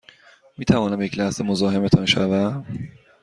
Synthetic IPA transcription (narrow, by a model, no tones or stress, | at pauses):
miːt̪ʰævɒːnæmjecʰlæhsemozɒːɦe̞met̪ʰɒnʃævæ